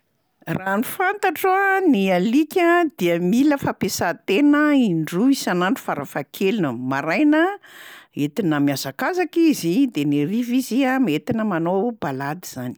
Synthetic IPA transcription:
ranifant̪aʈ͡ʂanialikʲəd̪iəmiləfapesat̪enəiɳɖ͡ʐuisanaɳɖ͡ʐu̥faɾafakʰelinəmaɾajnə | et̪inəmiazakazakizid̪eneriviziamet̪inəmanobalad̪iz̥ani̥

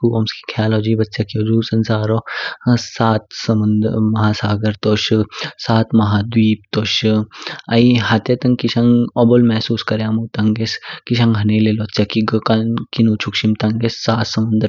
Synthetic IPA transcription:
kuoːmski̥kʰaːlod͡ʒiːbɐtːsakiod͡ʒuːsɐnsaːɾo | saːt̪sɐmɐnd̪mɐɦaːsaːɡɐɾt̪oːʃsaːt̪mɐɦaːd̪wiːp̚t̪oːʃ | ɐiɦɐt̪jɐt̪ɐŋkiʃɐŋobolmɛɦsuːskɐɾjaːmut̪ɐŋɡeskiʃɐ̃ŋɡɦɐneːleːlotːsjakiɡkɐnkinuːt͡ʃʰukʃimt̪ɐŋɡesːaːt̪sɐmɐnd̪əɾ

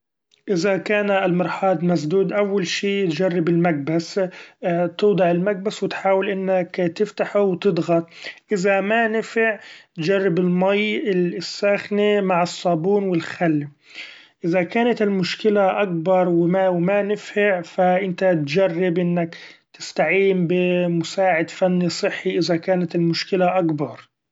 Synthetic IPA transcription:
ʔɪzakaːnɪlmɪɾˤħɑːd̪mas̬d̪uːd̪ʔawːalʃiːt̪d͡ʒarˤːɪbɪlmaɡ̚bas | t̪ʊːd̪ˤɑʕɪlmaɡ̚baswɪt̪ħaːwɪlʔɪnːakt̪ɪft̪aħuwt̪ɪd̪ˤɣɑt̪̚ˤʔɪzamanɪfɪʕt̪d͡ʒarˤːɪbɪlmajɪsːaxnemaʕɪsˤːɑːbuːnwɪlxalː | ʔɪzakaːnat̪ɪlmʊʃkɪlaʔak̚bɑɾˤwɪmawɪmanɪfɪʕfaʔɪnt̪at̪d͡ʒarːɪbʔɪnːakt̪ɪ̥st̪aʕiːmbɪmʊsaːʕɪd̪fanːisˤɨħːiʔɪzakaːnat̪ɪlmʊʃkɪlaʔakbɑɾˤ

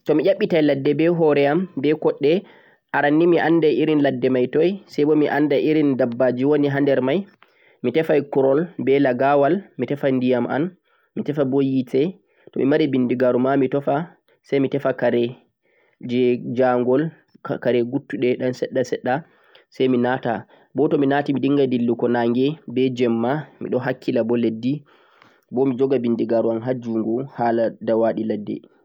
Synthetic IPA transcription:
tɔmiʔaɓːitajladːɛbɛɦɔɾɛambɛkɔɗːɛ | ʔaɾanːimiʔanːdaʔiɾinladːɛmajtɔjsɛjbɔmiʔandaʔiɾindabːad͡ʒiwoniɦandɛɾmaj | mitɛfajkuɾɔlbɛlaɡawalmitɛfajndijamʔa̰n | mitɛfabojitɛ | tɔmimaɾibindiɡaɾumamitɔfa | sajmitɛfakaɾɛ | d͡ʒɛd͡ʒaŋɡɔl | kaɾɛɡutːuɗɛɗansɛɗːasɛɗːa | sajminata̰ | bɔtɔminatimidiŋɡadilːukɔnaːŋɡɛbɛd͡ʒɛmːamḭɗɔɦakʰːilabɔledːi | bɔmid͡ʒɔɡabindiɡaɾuanɦad͡ʒuŋɡɔhaladawaɗiladːɛ̰

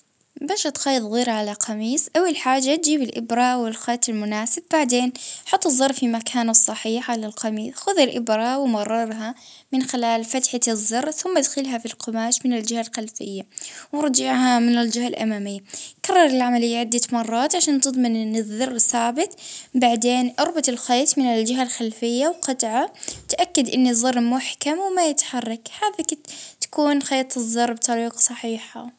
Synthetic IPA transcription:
baːʃat̪xɑːjðˤɣiːɾʕalaqʰɑmiːsˤʔawːalħaːd͡ʒːat̪̚d͡ʒiːbɪlʔɪ̰bɾawɪlxɑːt̪ˤɪlmʊnaːsɪbːaʕd̪eːnħɑt̪ˤːɨzˤːɑɾˤfimakʰaːnɨsˤːɑħiːħʕalalqɑmiːsxʊðalʔɪbɾɑwɪmɑrˤːɑɾˤɦa | mɪnxɪlaːlfat̪ħazˤːɑɾˤθʊmːad̪xɪlɦafilqʊmaːʃmɪnɪld͡ʒɪhalxalfɪ̰jːawɾˤd͡ʒɪʕhamɪnɪld͡ʒɪhalʔa̰maːmɪjːakɑrˤːɑɾˤɪlʕamalɪjːaʕɪd̪ːamɑrˤːɑːt̪ʕaʃaːnt̪ɨd̪ˤmɪnʔɪnːɪðːɑrˤːθaːbɪt̪ˤbaʕd̪eːnʔɑɾˤbat̪ɪlxeːt̪mɪnɪld͡ʒɪɦalxalfɪjːawqɑt̪ʕat̪ʔakːad̪ʔɪnːiðˤːɑrˤːmʊħkamwmajɪt̪ħɑrˤːɑkhaːðakt̪ḁkuːnxeːt̪ˤɨðˤːɑrˤbt̪ˤɑɾiːqsˤɑħiːħa̰

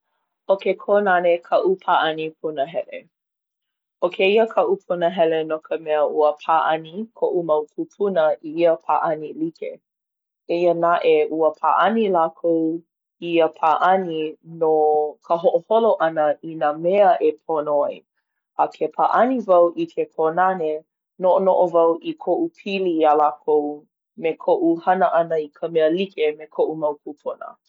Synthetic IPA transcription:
ʔokekʰonanekʰaʔupʰaʔanipʰunəɦɛlḛ | okʰeiəkʰaʔupʰunəɦɛlenokʰəmɛəʔuəpʰaʔɐnikʰoʔumɐwkʰupʰunəʔiiəpʰa̰ʔanilikḛ | eiənaʔeʔuəpʰa̰ʔɐnilakʰow | iiəpʰaʔɐninokʰəɦoʔoholoʔɐnəʔinəmɛəʔepʰonoaj | ʔɐkʰepʰa̰ʔɐnivɐwʔikʰepʰonane | noʔonoʔovɐwʔikʰoʔupʰilialakʰow | mekʰoʔuhɐnəʔɐnəikʰəmɛəlikemekʰoʔumɐwkʰupʰunə̰

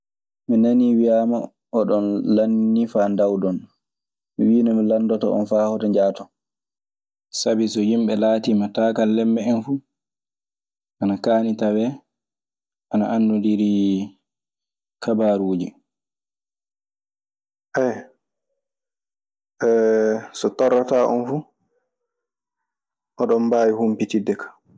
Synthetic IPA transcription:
minaniwijaːma | ɔɗɔnlanːifandawdɔn | miwiːnɔmilandɔtɔ̰ʔɔ̰nfaːhɔtaɲd͡ʒaːtɔ | sabisɔhimɓɛlaːtimataːkalːɛmbɛɛnfu | ʔanakaːnitawɛ | ʔanaʔandudiɾi | kabaɾuːd͡ʒi | ʔɛj | ɛsɔtɔrːataːʔɔ̰nfu | ʔɔɗɔmbajihumpitidɛkḁ

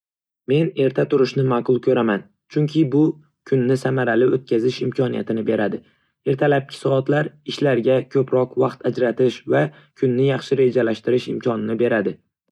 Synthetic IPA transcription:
me̞ne̞ɾt̪ʰat̪ʊɾɪʃnɪmaqʊlˠkʲʰɵɾaman | t͡ʃʰʊŋkʲʰɪbʊ | kʲʰʊnːɪsamaɾalɪot̪̚kʲʰazɪʃɪmkʲʰɒnija̰t̪ʰɪnɪbe̞ɾad̪ɪ | e̞ɾt̪ʰalap̚kʲʰɪ̥sɒɒt̪laɾɪʃlaɾɡʲakʲʰɵpɾɒqvɑqt̪ʰad͡ʒɾat̪ɪʃva | kʰʊnːɪjɑχʃɪɾe̞d͡ʒalaʃt̪ɪɾɪʃɪmkʲʰɒnɪnɪbe̞ɾad̪ɪ

